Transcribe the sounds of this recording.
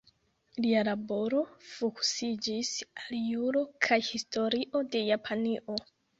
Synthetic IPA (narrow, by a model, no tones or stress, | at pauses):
lialabo̞ɾo̞fuku̥sid͡ʒisaljuɾo̞kʰajhisto̞ɾiʔo̞de̞japʰaniʔo̞